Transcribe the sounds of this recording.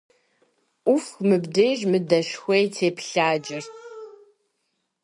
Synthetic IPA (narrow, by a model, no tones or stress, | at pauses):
ʔʷʊfmɨbdeːʒmɨdɐʃxʷejtʰeːpʰɬaːd͡ʒɪrʰ